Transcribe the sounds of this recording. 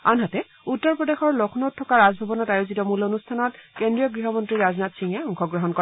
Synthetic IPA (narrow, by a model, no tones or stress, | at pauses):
anɦatɛ | utːɔɹpɹɔdexɔɹlokʰnotʰːɔkaɹazbʱabɔnɔtajozitɔmulonustʰanɔtkendɹijɔɡɹiɦɔmɔntɹiɹaznatsiŋɛɔŋxʰɔɡɹɔɦɔnkɔɛ